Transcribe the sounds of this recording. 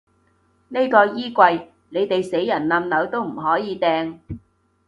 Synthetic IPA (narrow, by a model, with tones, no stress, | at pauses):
ne˥jkɔː˧jiː˥kʷɐ˧j | ne˨˧jt̪e˨jse˨˥jːɐ˨˩nnɐ˧mnɐ˨˧wt̪o˥wm̩˨˩ɦɔː˨˥jiː˨˧t̪ɛː˧ŋ